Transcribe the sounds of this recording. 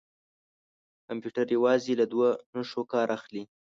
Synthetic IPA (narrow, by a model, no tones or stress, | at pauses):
kampjuʈaɾjawɑzelad̪wanoʃokɑɾʔaxli